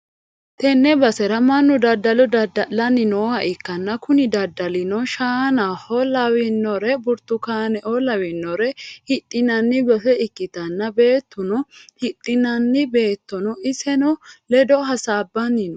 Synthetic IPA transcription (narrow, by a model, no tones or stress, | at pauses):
t̪ɛnːɛbɐsɛɾɐmɐnːʊd̪ɐd̪ːɐlɔd̪ɐd̪ɐlɐnːɪnɔhɐʔɪkːɐnːɐkʊnɪd̪ɐd̪ːɐlɪnɔʃaːnɐhɔlɐwɪnːɔɾɛbʊɾt̪ːʊkaːnɛʔɔlɐwɪnːɔɾɛhɪt̪ʼːɪnɐnːɪbɐfɛɪkːɪt̪ɐnːɐbe̞ːt̪ːʊnɔhɪt̪ʼːɪnɐnːɪbe̞ːt̪ːɔnɔʔɪsɛnɔlɛd̪ɔɦɐsaːbːɐnːɪnɔ